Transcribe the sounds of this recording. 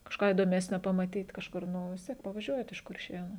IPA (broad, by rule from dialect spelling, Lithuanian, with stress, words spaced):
kɐʃˈkɑː iːdoːˈmʲæːsʲnʲoː pɐmɐˈtʲiːt kɐʃˈkʊr ˈnʊ ʋʲɪs ˈtʲiɛk pɐʋɐˈʒʲuɔjɛt ɪʃ kʊrʲˈʃʲeːnuː